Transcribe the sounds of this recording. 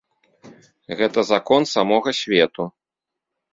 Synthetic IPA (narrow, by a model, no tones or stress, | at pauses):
ɣɛt̪ɐzakɔnsamɔɣɐsʲvʲɛt̪u